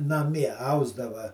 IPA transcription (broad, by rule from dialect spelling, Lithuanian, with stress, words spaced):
nɐˈmʲiɛ ˈɐʊzdɐʋɐ